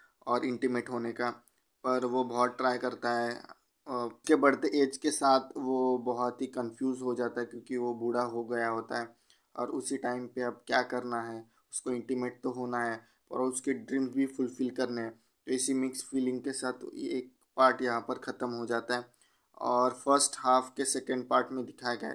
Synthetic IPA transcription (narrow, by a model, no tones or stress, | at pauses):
ɔːɾɪ̃ɳʈimeːʈɦoːneka | pɐɾʋobɔːt̪̚ʈɾaːjkɐɾt̪aɦɛ | kebɐɽ̤t̪eʔeːd͡ʒkesaːt̪ʰʋobɐɦɔt̪ɦikɐ̃nfʰjuːzɦod͡ʒaːt̪aɦɛkjõːkiʋobuːɽaɦoɡɐjaɦoːt̪a̰ɦɛ | ɔ̰ːɾʊsiʈaːɪ̃mpeɐb̚kjaːkɐɾnaɦɛ | ʊskoɪ̃ɳʈimeːʈ̚t̪oɦoːnaɦɛ | ɔ̰ɾʊskeɖɾĩːmbʱifʊlfɪlkɐɾneɦɛ̃ː | t̪oɪsimɪksfiːlɪ̃ŋɡ̚kesaːt̪ʰeːk | paːɾʈjɐɦãpɐɾxɐt̪əmɦod͡ʒaːt̪aɦɛː | ɔːɾfəɾsʈhaːfkesɛkə̃ɳɖ̚paːɾʈmẽd̪ɪkʰaɡja̰ːɛ̰